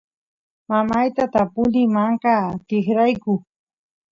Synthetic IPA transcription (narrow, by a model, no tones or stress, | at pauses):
mamajt̪at̪apʊlɪmaɴqɑt̪ɪχɾajkʊ